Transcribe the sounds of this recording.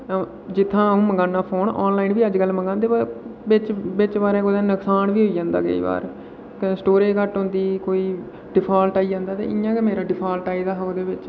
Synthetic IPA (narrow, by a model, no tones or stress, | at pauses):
d͡ʒɪt̪ʰːãːũːməŋɡaːnːaːpʰoːnɔ̰ːnlaːinʋiːəd͡ʒɡəlːməŋɡãːnd̪eːbəbɪt͡ʃbɪt͡ʃʋaːɾeːkod̪ẽːnəksaːnʋiːɦoːiːd͡ʒãːnd̪a̰ːkə̰ḭːʋa̰ːɾ | ksʈoːɾeːkəʈɦõːnd̪iːkoːiː | ɖɪpʰaːlʈaːiːd͡ʒãːnd̪aːt̪ḛːʔɪjãːkɛmeːɾaːɖɪpʰaːlʈaːiːd̪aːɦoːd̪eːʋɪt͡ʃ